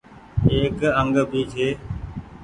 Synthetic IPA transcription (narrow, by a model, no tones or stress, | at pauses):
eːkəŋɡbʱiːt͡ʃʰeː